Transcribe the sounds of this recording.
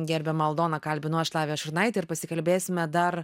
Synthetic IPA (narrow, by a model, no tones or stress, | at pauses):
ɡʲɛɾʲbʲɛmɐlˠd̪oːnɐkɐlʲbʲɪnʊɐʃlˠɑːʋʲeːjɛʃʊɾnɐɪt̪ɐɪɾpɐsʲɪkɐlʲbʲeːssʲɪmʲɛd̪ɐr